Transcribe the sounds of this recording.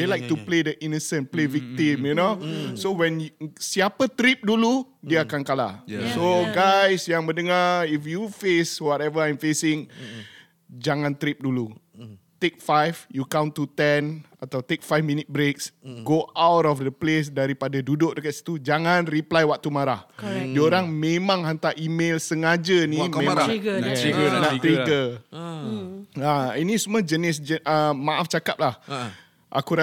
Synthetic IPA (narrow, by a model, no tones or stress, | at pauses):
delajk̚t̪upledəʔinəsə̃nplevik̚t̪imjunosowɛ̃nsiapət̪ɾip̚dulu | diəakankala̰soɡajsjaŋbəndəŋaɾifjufeswɔtɛvəajmfesɪ̃ŋ | d͡ʒaŋãnt̪ɾip̚dulu | t̪ek̚fajvjukãw̃nt̪ːut̪ɛnat̪awt̪ek̚fajfmĩnit̪̚bɾek̚sɡoawtɔfd̪əples̬daɾipadadudʊʔ̚dəkat̪̚sə̥t̪ud͡ʒaŋãnriplajwak̚t̪umaɾahdioɾaŋmẽmãŋɦant̪aʔimelsəŋad͡ʒənĩmẽmãaiɡənaʔt̪ɾiɡə | ainĩsuməd͡ʒənɪs̬d͡ʒəʔəmãʔaft͡ʃakap̚lah | ʔa̰kuɾa